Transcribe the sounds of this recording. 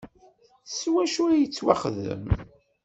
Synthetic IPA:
swæʃuɾæjət͡sːwa̰χðə̰m

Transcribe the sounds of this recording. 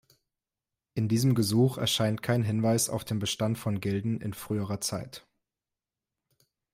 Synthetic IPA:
ʔɪndiːzəmɡəzuːχɛ̰ɐʃaɪntkʰaɪnɦɪnvaɪsa̰ʊfd̥eːnbəʃtantfɔnɡɛldn̩ʔɪ̰nfʁ̥yːəʁɐt͡saɪt

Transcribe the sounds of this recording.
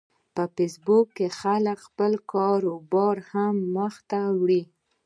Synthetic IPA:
pəfesbʊkːexaləkxpəlkɑɾobɑɾhamːəxt̪awɽi

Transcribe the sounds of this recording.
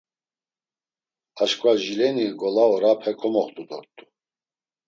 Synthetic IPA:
aʃkʰʼwaʒilɛniɡɔlaɔɾapʰɛkʰɔmɔχt̪ʼud̪ɔ̰ɾt̪ʼu̥

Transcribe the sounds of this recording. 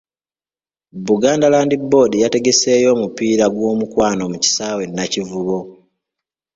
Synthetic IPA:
bːuɡaːndalaːndibːo̞ːdijate̞ɡe̞se̞ːjo̞ːmupiːɾaɡwo̞ːmukwaːno̞muci̥saːwe̞nːacivuβo̞

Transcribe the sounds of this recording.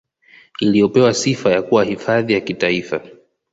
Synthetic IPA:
ilijɔpɛwasifajakuwahifaðijakitaifa

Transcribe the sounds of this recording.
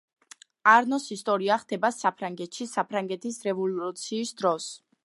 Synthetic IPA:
aɾnɔsist̪ʼɔɾiaχd̪ɛbasapʰɾaŋɡɛt̪ʃisapʰɾaŋɡɛt̪ʰisɾɛvɔluut̪sʰiːsd̪ɾɔs

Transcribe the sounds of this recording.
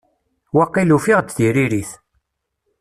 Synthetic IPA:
wɑqːilufiʁt͡sːðiɾiɾiθ

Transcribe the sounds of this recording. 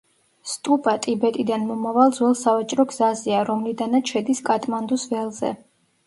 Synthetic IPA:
st̪ʼupʼat̪ʼibɛt̪ʼid̪anmɔmavalˠd̪zwɛlˠsavat͡ʃʼɾɔɡz̥aziaɾɔmlid̪anat̪ʃɛd̪iskʼat̪ʼmand̪usvɛlˠzɛ̰

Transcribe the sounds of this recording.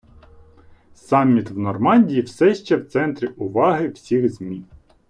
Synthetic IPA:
sɑmʲːit̪ʋnɔrmɑnʲdʲijiwsɛʃt͡ʃɛwt̪sɛnt̪ɾʲiʔʊʋɑɦɪw̥sʲiɣzmʲi

